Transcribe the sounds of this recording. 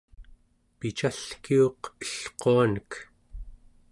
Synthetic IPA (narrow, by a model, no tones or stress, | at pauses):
pit͡ʃaɬkioqəɬqoanək